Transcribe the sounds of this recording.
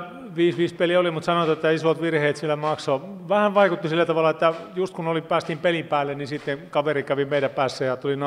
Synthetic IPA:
ʋiːsʋiːspeliolimut̪sɑnoɑt̪et̪ːæisot̪ʋirheːt̪sielːæmɑkso | ʋæhæʋʋɑikut̪ːisilːæt̪ɑʋɑlːˑɑet̪ːæjust̪kunolipæːst̪impelimpæːlːennisit̪ːekɑʋerikæʋimeiɾæpæːsːejɑt̪ulin

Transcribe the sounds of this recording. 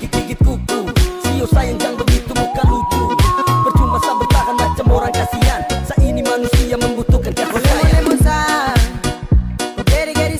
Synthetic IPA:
kit̪̚dikit̪̚kut̪usiosajənd͡ʒaŋd̪əmit̪umukalut̪ubərt͡ʃumbasabərt̪akanmat͡ʃamoɾaŋkasiansaʔinimanusiaməmbut̪ukankaslaemusa | deɾiɡaɾi

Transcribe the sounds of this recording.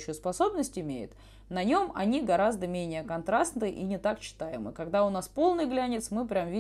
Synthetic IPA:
ɕːʊjʊspɐso̞bnəsʲtʲɪmʲejʊ̰t̪ | nɐnʲo̞mɐ̰nʲiɡɐɾazd̪əmʲenʲɪjəkɐnt̪ɾasnɨʔinʲɪt̪akt͡ɕːɪ̥t̪ajɪmɨ̰kɐɡd̪aʊnaspo̞lˠnɨjɡlʲænʲɪt̪smɨpɾʲamvʲi

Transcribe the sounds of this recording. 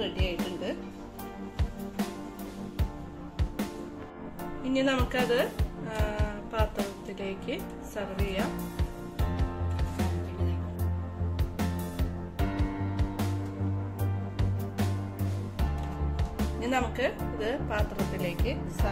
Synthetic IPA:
eʈːijaːjiʈːuɳɖɨ | iɲːɐnɐmukːɨɐðɨ | paːt̪rɐt̪ːile̞ːkʲːɨ | sɐkrijɐ | iɲːɐnɐmukːɨɐðɨpaːt̪rɐt̪ːile̞ːkːɨ | sɐ

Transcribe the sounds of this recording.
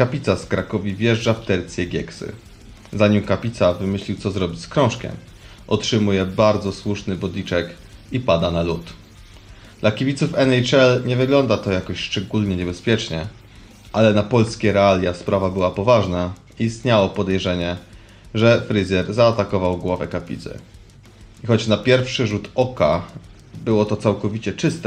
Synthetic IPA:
kapʲit̪saskɾakɔvʲivʲjɛʐd͡ʐaft̪ɛɾt̪sʲjɛɡʲɛ̰ksɘ̰ | zaɲimkapʲit̪savɘmɘɕlʲiwt̪sɔzɾɔbʲit͡ɕʲskɾɔ̃w̃ʂkʲɛ̰m | ʔɔtʂɘmujɛbaɾd̪zɔswuʂnɘbɔd̪lʲit͡ʂɛk | ipad̪analut̪ | d̪̥lakʲivʲit̪sufɛnɛjt͡ʂɛlɲɛvɘɡlɔnd̪at̪ɔjakɔɕʂt͡ʂɛɡulɲɛɲɛbɛspʲjɛt͡ʂɲɛ | ʔalɛnapɔlskʲɛɾɛalʲjaspɾavabɘwapɔvaʐna | iist̪ɲawɔpɔd̪ɛjʐɛɲɛ | ʐɛfɾɘzɛɾzaːt̪akɔvawɡwɔvɛ̰kapʲḭt̪sɛ̰ | ixɔt͡ɕnapʲjɛɾfʂɘʐut̪ɔka | bɘwɔt̪ɔt̪sawkɔvʲit͡ɕɛt͡ʂɘst̪ɛ

